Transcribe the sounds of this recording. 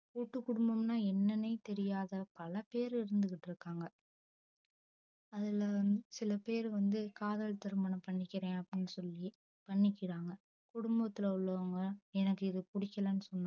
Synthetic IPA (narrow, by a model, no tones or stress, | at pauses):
kuːʈːɯkːʊɽʊmbɐmnaːɛnːɐnːɐɪt̪ɛɾɪjaːðɐpɐlɐpeːɾɪɾɯnd̪ɯkːɪʈːɪɾɯkːaːŋɡɐ | ɐðɪlɐsɪlɐpeːɾʋɐnd̪ɯkaːðɐɭt̪ɐɾɯmbɐɳɐpɐɳːɪkːɪɾẽːɐpːɽɪnːɯsɔlːi | pɐɳːɪkːɪɽaːŋɡɐ | kʊɽʊmbɐt̪ːɪlɐʊɭːɐʋɐŋɡɐɛnɐkːɯɪðɯpʊɽɪkːɐlɐnːɯsɔnːã